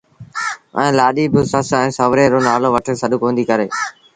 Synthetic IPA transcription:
ə̰̃ːlaːɗiːbɪːsəsɛ̃ːsəʋɾeːɾoːnaːloːʋəʈʰəsəɗukõːnd̪iːkəɾeː

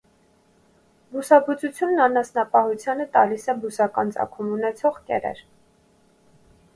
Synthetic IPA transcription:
busɑbut͡sut͡sʰjunːɑnɑsnɑpɑhut͡sʰjɑnət̪ɑ̰lisɛbusɑkɑ̰nt͡sɑ̰kʰumunɛt͡sʰɔʁkɛ̰ɾɛ̰ɾ

